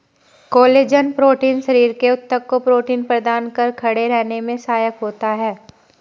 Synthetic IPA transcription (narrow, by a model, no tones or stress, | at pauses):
koːleːd͡ʒənpɾoːʈiːnʃəɾiːɾkeʊt̪ːəkːopɾoːʈiːnpɾɐd̪aːnkɐɾkʰɐɽeɾɛɦnemẽsaːjəkɦoːt̪aɦɛː